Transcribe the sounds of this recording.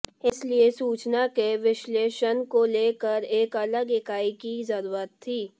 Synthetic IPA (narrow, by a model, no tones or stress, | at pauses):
ɪsliesuːt͡ʃnakeʋɪʃleːʃənkoleːkəɾeːkɐləɡɪkaːikizəɾuːɾət̪ʰːiː